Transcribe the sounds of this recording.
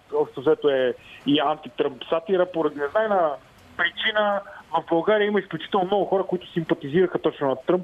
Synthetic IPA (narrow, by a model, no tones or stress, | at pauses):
ɔpʃtt̪osɛt̪oɛiant̪it̪ɾɤmpsat̪iɾəpoɾɐd̪inɛznaɛna | pɾit͡ʃinəvɐvbɐlˠɡaɾiəiməisklʲut͡ʃit̪ɛlˠnomnɔɡʊxɔɾəkʊit̪ʊ̥simpɐt̪iziɾɐxət̪ɔt͡ʃnʊnɐt̪ɾɤmp